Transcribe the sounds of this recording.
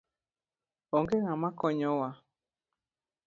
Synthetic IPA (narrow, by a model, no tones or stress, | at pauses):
oŋɡeŋãmãkɔɲɔ̃wa